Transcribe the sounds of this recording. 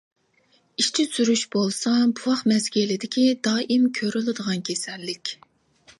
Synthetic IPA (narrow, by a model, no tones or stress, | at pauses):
iʃt͡ʃʰisyɾyʃbolˠsɑbuwɑχmɛzɡʲelɪd̪ɪkʲʰid̪ɑːʔimkʲʰøɾylˠɨd̪əʁɑnkʲʰesɛlːɪkʲ